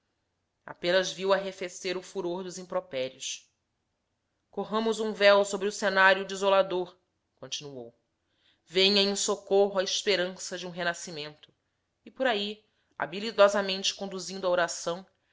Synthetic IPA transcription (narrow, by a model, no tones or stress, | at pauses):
a̰pẽnɐzviwaɦefeseɾʊfuɾoɾd̪ʊzĩmpɾopɛɾjʊs | koɦɐ̃mʊzũvɛwsobɾɪʊsenaɾjʊd͡ʒizolad̪oɾ | kõt͡ʃinuo̰w | vẽɲɐẽsokoɦʊɐɪʃpeɾɐ̃sɐd͡ʒɪũɦenasimẽnt̪ʊ̥ | ɪpoɾai | a̰bilid̪ɔzɐmẽnt͡ʃɪ̥kõd̪uzĩnd̪ʊɐoɾasɐ̃w̃